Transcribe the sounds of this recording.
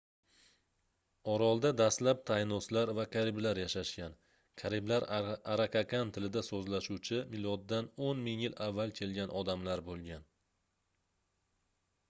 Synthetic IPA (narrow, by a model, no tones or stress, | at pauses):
ɒɾɒlˠd̪ad̪aslap̚t̪ʰajnɒslaɾvakʰʲaɾɪblaɾjaʃaʃkʲan | kʲʰaɾɪblaɾaɾakʰakʲʰant̪ʰɪlɪd̪asɵzlaʃuwt͡ʃʰɪmɪlɒd̪ːanonmɪŋjɪlavːalˠkʲʰe̞lɡʲanʔɒd̪amlaɾbolˠɡʲan